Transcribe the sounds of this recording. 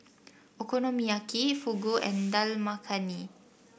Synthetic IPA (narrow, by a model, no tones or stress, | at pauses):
ʔekonõmiakifuɡoʔɛ̰ndalmakʰani